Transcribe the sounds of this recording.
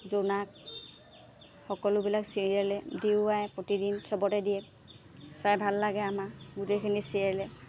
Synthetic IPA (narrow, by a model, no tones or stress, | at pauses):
zonak̚ | xɔkɔlʊbilaksiɹijalɛdiʊajpɹotidinsɔbɔtɛdijɛ | sabʱalːaɡɛamaɡutejkʰinisiɛlɛ